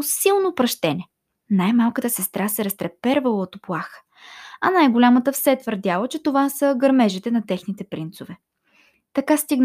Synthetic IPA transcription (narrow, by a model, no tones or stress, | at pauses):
silˠnopɾɐʃt̪ɛnɛ | najmalˠkət̪əsɛst̪ɾasɛɾɐst̪ɾɛpɛɾvəlˠəot̪oplˠaxə̥ | ɐnajɡolʲamət̪əfsɛt̪vəɾd̪ʲjalˠət͡ʃɛt̪ovasəɡɐɾmɛʒit̪ɛnɐt̪ɛxnit̪ɛpɾint̪sovɛ | t̪ɐkast̪iɡn